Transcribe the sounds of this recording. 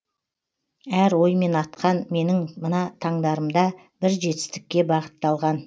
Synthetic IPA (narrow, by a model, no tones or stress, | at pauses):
æɾwo̞jme̞nɑt̪qɑnme̞nɪŋmənɑt̪ʰɑɴd̪ɑɾəmd̪ɑ | bɪɾʒe̞t̪ɪ̥st̪ɪ̥kʲːe̞bɑʁət̪ːɑlˠʁɑn